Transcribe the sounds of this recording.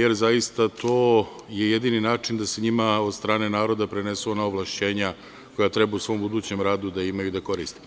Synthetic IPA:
jeɾzajist̪at̪o̞ː | jejed̪iːninaːt͡ʂind̪aseɲimao̞d̪st̪ɾaːne̞naːɾo̞d̪apɾenesuonaoʋlaʃt͡ɕe̞ːɲa | ko̞jat̪ɾe̞bausʋo̞mbud̪uːt͡ɕe̞mɾaːd̪ud̪aimajud̪ako̞ɾiːst̪e

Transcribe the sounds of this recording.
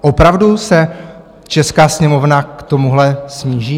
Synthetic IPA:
ʔopɾavdusɛ | t͡ʃɛskaːsɲɛmovnakt̪o̞muɦlɛsɲiːʒiː

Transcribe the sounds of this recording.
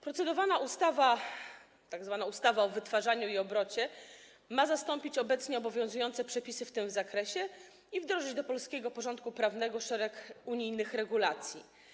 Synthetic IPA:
pɾɔt̪sɛd̪ɔvanaʔust̪ava | t̪aɡzvanaust̪avaɔvɘt̪faʐaɲuiɔbɾɔt͡ɕɛ | mazast̪ɔmpʲit͡ɕɔbɛt̪sɲɛɔbɔvʲjɔ̃w̃zujɔnt̪sɛpʂɛpʲisɘft̪ɘmzakɾɛɕɛ | ivd̪ɾɔʐɘd͡ʑd̪ɔpɔlskʲɛɡɔpɔʐɔ̃nt̪̚kupɾavn̪ɛɡɔʂɛɾɛkuɲijnɘxɾɛɡulat̪sʲjḭ

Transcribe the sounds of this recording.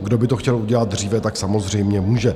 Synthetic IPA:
ɡdo̞bɪt̪oxcɛluɟɛlat̪̚d̪r̝iːvɛt̪aksamozr̝ɛjmɲɛmuːʒɛ

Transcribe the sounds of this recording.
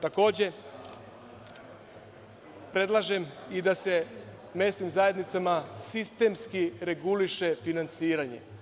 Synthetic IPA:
t̪ako̞ːd͡ʑe̞ | pɾe̞d̪lˠaʒemid̪ase̞ | me̞ːst̪nimzaje̞d̪nit̪samasist̪e̞mskiɾe̞ɡuliʃe̞finant̪siːɾaɲe̞̰

